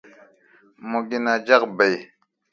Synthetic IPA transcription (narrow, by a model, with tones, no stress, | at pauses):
mu˨ɡi˦na˨d͡ʒa˦qbə˨j